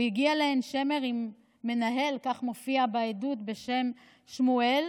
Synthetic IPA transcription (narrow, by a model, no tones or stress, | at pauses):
jiɡialeenʃe̞me̞ʁimː | e̞naɦe̞lkaχmo̞fiabaedut̪be̞ʃe̞m | ʃmue̞l